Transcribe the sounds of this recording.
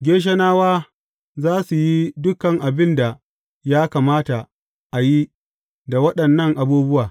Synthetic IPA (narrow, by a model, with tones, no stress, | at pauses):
ɡʲeː˦ʃ̬ɐ˦naː˦waː˦ | zaː˦su˨ji˦dʊ˦kɐ˨ŋʔa˨bɪ˦nda˨ | jaː˦kaː˨maː˦ta˨ | ʔa˨ji˦ | da˨wɐ˦ɗɐ˨nːɐ˦ŋʔa˨buː˦bʊ˦waː˨